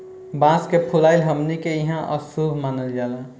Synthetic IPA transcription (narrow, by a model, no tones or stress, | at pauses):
bãːskepʰʊlaːɪlɦɐmnikejiɦãʔə̰subʱmaːnəld͡ʒaːlaː